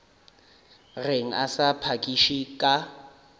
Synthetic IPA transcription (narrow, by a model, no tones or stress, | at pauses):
reŋ̩a̰sapʰakʼiʃikʼa